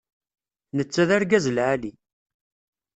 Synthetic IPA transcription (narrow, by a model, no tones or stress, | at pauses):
nət͡sːæðaɾɡæzəlʕali